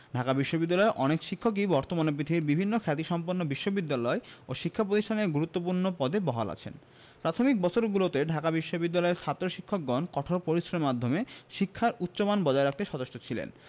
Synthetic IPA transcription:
ɖʱakabiʃːobid̪ːalɔeʔɔnekʃikʰːok̬ibɔɾt̪omanep̬ɾit̪ʰiiɾbibʱinːokʰɛt̪̬iʃɔmponːobiʃːobid̪ːalɔeoʃikʰːapɾot̪iʃʈʰaneɾɡuɾut̪ːop̬uɾnopɔd̪ebɔɦa̰la̰t͡ɕʰḛn | pɾat̪ʰomik̚bɔt͡ɕʰoɾɡulot̪eɖʱakabiʃːobid̪ːalɔeɾʃʰat̪ːɾoʃikʰːok̚ɡɔnkɔʈʰoɾpoɾisɾommad̪ʱːomeʃikʰːaɾut̪ːɕomanbɔd͡ʑaeɾak̚t̪eʃɔt̪oʃʈot͡ɕʰilḛn

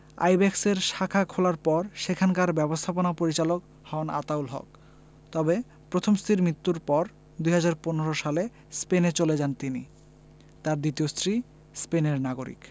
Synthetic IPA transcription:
a̰jbɛkseɾʃakʰakʰolaɾpɔɾʃekʰankaɾbɛbost̪ʰaponapoɾit͡ɕalok | hɔna̰t̪aulɦɔ̰k | t̪ɔbe | pɾot̪ʰomst̪ʰɾiɾmɾit̪ːuɾpɔɾ | d̪ujɦad͡ʑaɾponeɾoʃale | spenet͡ɕoled͡ʑant̪ini | t̪aɾd̪it̪iost̪ɾi | speneɾnaɡoɾḭk

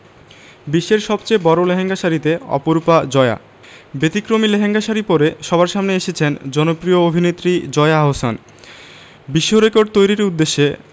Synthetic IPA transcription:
biʃːeɾʃɔbt͡ɕebɔɾoleɦeŋɡaʃaɾit̪eɔ̰poɾupad͡ʑɔea̰ | bet̪ikɾomileɦeŋɡaʃaɾipoɾeʃɔbʱaɾʃamneeʃet͡ɕʰend͡ʑɔnopɾioobʱinet̪ːɾid͡ʑɔeaaɦosa̰n | biʃːoɾekoɾɖ̚t̪ojɾiɾud̪ːeʃːe

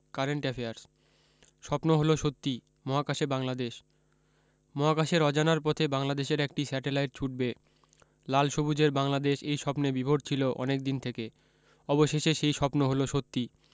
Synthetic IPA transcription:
kaɾeɳʈɛfeaɾs | ʃɔpnoɦoloʃot̪ːi | mɔɦakaʃebaŋlad̪eʃ | mɔɦakaʃeɾɔd͡ʑanaɾpɔt̪ʰebaŋlad̪eʃeɾɛk̚ʈisɛʈelajʈ̚t͡ɕʰuʈ̚be | lalʃobud͡ʑeɾbaŋlad̪eʃejʃɔpnebibʱoʈt͡ɕʰiloʔɔ̰nek̚d̪int̪ʰeke | ɔboʃeʃeʃejʃɔpnoɦoloʃot̪ːi

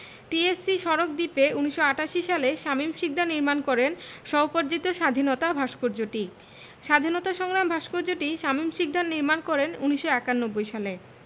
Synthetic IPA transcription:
ʈiesiʃɔɾokd̪ipeuniʃːoaʈaʃiʃaleʃamimʃik̚d̪aniɾmankɔɾenʃɔopoɾd͡ʑit̪oʃad̪ʱinot̪abʱaʃkoɾd͡ʑoʈi | ʃad̪ʱinot̪aʃɔŋɾambʱaʃkoɾd͡ʑoʈiʃamimʃik̚d̪annːiɾmankɔɾenuniʃːoɛkanːobːojʃale

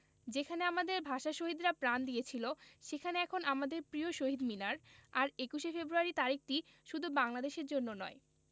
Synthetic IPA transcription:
d͡ʑekʰaneamad̪eɾbʱaʃaʃoɦid̪ɾapɾand̪ijet͡ɕʰiloʃekʰaneɛkʰonʔamad̪eɾpɾioʃoɦid̪minaɾaɾekuʃefebɾuaɾit̪aɾik̚ʈi | ʃud̪ʱubaŋlad̪eʃeɾd͡ʑonːonɔe

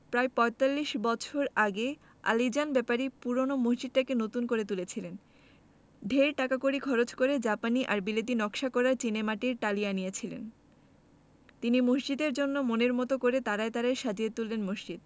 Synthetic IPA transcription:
pɾaepɔet̪alːiʃbɔt͡ɕʰoɾaɡe | a̰lid͡ʑanbɛpaɾipuɾonomosd͡ʑid̪̚ʈakenot̪unkoɾet̪ulet͡ɕʰilen | ɖʱeɾʈakakoɾikʰɔɾot͡ɕkoɾed͡ʑapaniʔaɾbilod̪ʱinɔkʃakɔɾaɾt͡ɕinemaʈiɾʈalianijet͡ɕʰilḛn | t̪inimosd͡ʑid̪eɾd͡ʑonːomoneɾmɔt̪okoɾet̪aɾaet̪aɾaeʃad͡ʑiet̪ulːenmoʃd͡ʑid̪̚

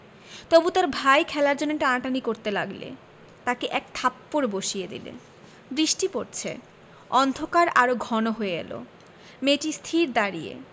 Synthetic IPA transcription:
t̪obut̪aɾbʱajkʰɛlaɾd͡ʑoneʈaaʈanikoɾt̪elaɡlḛ | t̪akeʔɛk̚t̪ʰapːoɾboʃijed̪ḭlḛ | bɾiʃʈipoɾt͡ɕʰḛ | ɔnd̪ʱokaɾaɾoɡʱɔnoɦoeɡɛ̰lo̰ | meʈist̪ʰiɾd̪aɾijḛ

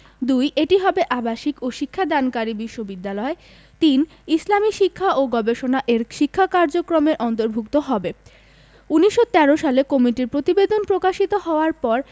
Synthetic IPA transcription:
d̪ujʔeʈiɦɔbeʔabaʃikoʃikʰːad̪ankaɾibiʃːobid̪ːalɔe | t̪in | islamiʃikʰːaʔoɡɔbeʃonaʔeɾʃikʰːakaɾd͡ʑokɾomeɾʔɔnt̪oɾbʱukt̪oɦɔbe | uniʃːot̪ɛɾoʃalekomiʈiɾpɾot̪ibed̪onpɾokaʃit̪oɦɔoaɾpɔɾ

